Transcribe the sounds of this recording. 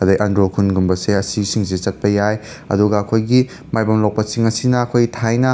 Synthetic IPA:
kʰɐdɐjʔɐndɾokʰunɡumbɐseɐsisiŋsit͡ʃɐt̚pɐjaj | ɐ̰duɡɐːkʰojɡi | majbɐmlowk̚pɐsiŋɐsinɐːkʰojtʰajnɐ

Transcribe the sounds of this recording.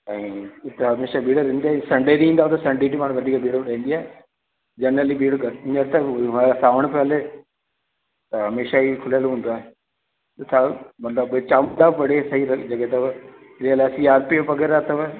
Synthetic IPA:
ɛ̃ːɪt̪ɦɐmeːʃaɓiːɽəɾĩːnd̪iaːĩsɐ̃ɳɖeːɾiĩːnd̪aɦt̪ɐsɐ̃ɳɖeːʈimaːɽ̃ũʋɐd̪ʱiːkabiːɽɗɐ̃ːn̆d̪iaːɦe | d͡ʑɐnəliɓiːɽɡɐɪɲəɾt̪ɐʋãsaːʋəɽ̃pʰeəle | t̪ɐɦɐmeːʃaikʰʊljəlɦũːnd̪aːɦe | sʰamɐt̪ləbt͡ɕaːm̃nd̪apɐɽesɐɦiɾɐd͡ʑɐɡet̪ɐʋ | ɾeəlaːsiːaːɾpiopɐɡeɾaːt̪ɐʋə

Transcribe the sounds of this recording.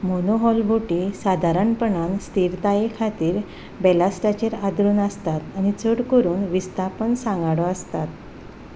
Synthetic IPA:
monoɦɔlbʱuʈisad̪ʱaɾəɳpəɳanst̪iɾt̪ajekʰat̪iːɾ | bɛlasʈat͡ɕeɾad̪ɾuːnəst̪at̪añit͡səɽkəɾuːnʋist̪ʰapəɳsãŋɡaɽɔəst̪at̪̚

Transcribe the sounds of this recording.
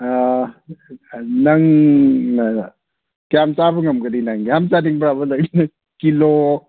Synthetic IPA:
nɐŋ | kjamt͡ʃabɐŋɐmkɐdinaŋjamt͡ʃadiŋbɾabɐlɐk̚inɐ | kilo

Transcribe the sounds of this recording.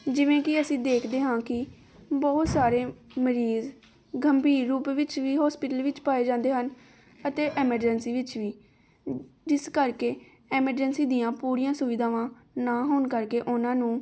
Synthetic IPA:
d͡ʒɪʋẽːkɪəsĩːd̪eːkʰd̪eːɦãːkɪ | bɔːʊt̪saːɾeːməɾiːz | ɡʱəmbiːɾuːpʋɪt͡ʃʋiːɦɔːspɪʈəlʋɪt͡ʃpaːeːd͡ʒãːnd̪eːɦən | ət̪eːʔɛːməɾd͡ʒənsiːʋɪt͡ʃʋiː | d͡ʒɪskəɾkeː | ɛːməɾd͡ʒənsiːd̪ɪjãːpuːɾijãːsʊʋɪd̪aːʋãːnaːɦoːnkəɾkeːʔʊnãːnũː

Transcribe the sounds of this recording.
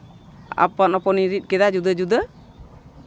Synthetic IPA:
a̰panɔpɔniɾit̪̚kɛd̪ad͡ʒud̪əd͡ʒud̪ə

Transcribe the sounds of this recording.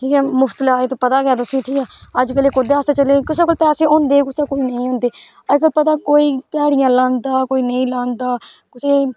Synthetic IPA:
ʈʰiːkɛːmʊpʰt̪əlaːeːt̪õːpət̪aːɡɪaːt̪̬ʊsĩːʈʰiːkɛːəd͡ʒkəleːkʊd̪eːast̪et͡ʃəleːkʊseːkʊlpɛːseːõːnd̪eːkʊseːkʊlnəĩːɦõːnd̪eː | əd͡ʒkəlpət̪aːkoːiːkaːɽɪjãːlãːnd̪aːkoːiːnəĩːlãːnd̪aːkʊseː

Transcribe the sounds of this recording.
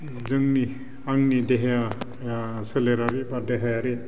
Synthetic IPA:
zɯŋni | aŋnideɦeja | seleɾaɾibadeɦajaɾe

